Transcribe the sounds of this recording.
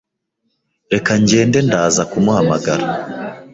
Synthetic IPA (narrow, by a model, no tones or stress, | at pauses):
ɾe̞kaɲɟe̞ːnde̞ndaːzakumuhamaɡaɾa